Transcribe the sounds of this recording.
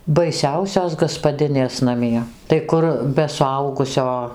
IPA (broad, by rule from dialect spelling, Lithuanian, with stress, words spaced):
bɐɪˈsʲɛʊsʲoːs ɡɐspɐˈdʲɪnʲeːs nɐˈmʲiɛ tɐɪ ˈkʊr bʲɛ sʊˈɐʊɡʊsʲoː